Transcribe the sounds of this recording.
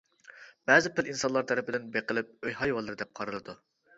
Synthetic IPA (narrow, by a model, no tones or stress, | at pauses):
b̥ɛzɪpʰɪlinsɑnlˠɑɾt̪ʰɛɾɪpɪd̪ɪnbeqəlˠɪp̚øjɦɑjwɑlˠːɨɾɨd̪ɛp̚qʰɑɾɨlˠɨd̪u